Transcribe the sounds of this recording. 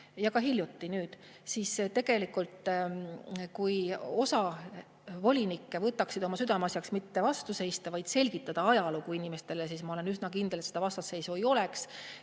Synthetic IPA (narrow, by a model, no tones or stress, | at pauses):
jɑkɑɦilʲjut̪ːinyːd̪̥ | siːst̪e̞ɡ̥e̞likˑult̪ˑ | kujo̞sɑ | vo̞lʲinikːˑevɤt̪ːˑɑksid̪̥o̞mɑsyd̪ɑmɑsjɑksmit̪ːe̞vɑst̪use̞jst̪ɑvɑjd̪̥se̞lʲɡ̥it̪ːˑɑd̪̥ɑɑjɑlukuinime̞st̪e̞les̬iːsmɑo̞le̞nysnɑkind̪̥elet̪se̥d̪ɑvɑst̪ɑse̞jsuejo̞le̞ks